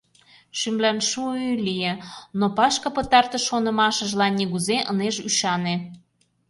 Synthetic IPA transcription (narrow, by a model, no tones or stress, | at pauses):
ʃymlænʃuylijenopɑʃkɤpə̆t̪ɑrt̪ə̆ʃonɤ̆mɑʃə̆ʒlɑnːiɣuzeʔə̰neʒyʃɑne